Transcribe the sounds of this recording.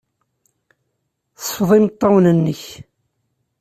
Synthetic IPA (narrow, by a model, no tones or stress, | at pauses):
θsfðˤimt̪ˤːɑwnənːəç